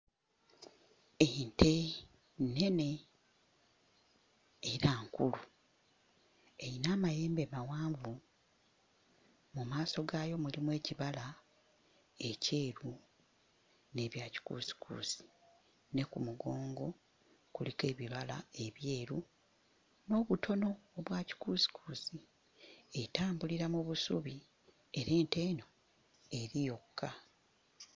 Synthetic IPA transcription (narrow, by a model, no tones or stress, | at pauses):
ente̞ | nːe̞ne̞ | ɾaːŋkulu | e̞inaːmajeːmbe̞mawaːɱvu | mumaːso̞ɡaːjo̞mulimwe̞ːciβala | e̞ce̞ːɾu | ne̞ːβjaːci̥kṵːsi̥kʰṵːsi̥ | ne̞kumuɡo̞ːŋɡo̞ | kulike̞ːβiβala̰e̞βje̞ːɾu | no̞ːβutʰo̞no̞ːβwaːci̥kusi̥kʰuːsi | etaːmbuliɾamuβusṵβi | e̞ɾe̞ːnteːno̞ | e̞ɾijo̞kʰːa